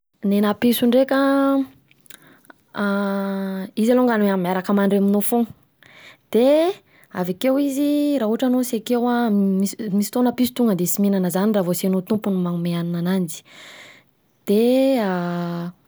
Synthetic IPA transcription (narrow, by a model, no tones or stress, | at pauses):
nenapisuɳɖ͡ʐekə | izaloŋɡanamiaɾakəmaɳɖ͡ʐeminofo | d̪̥e | a̰vakewiziɾaɦuʈ͡ʂanosekewamimisi̥t̪onəpisu̥t̪uŋɡənd̪esiminanəzaniravosenot̪umpunmaŋumeaninanand͡ʒi̥ | d̪̥ea